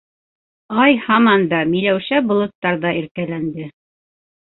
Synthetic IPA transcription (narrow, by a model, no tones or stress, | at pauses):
ɑjhɑmɑnd̪ɑmilæwɕæbŏlˠɤ̆t̪ːɑɾðɑʔiɾkælænd̪ɘ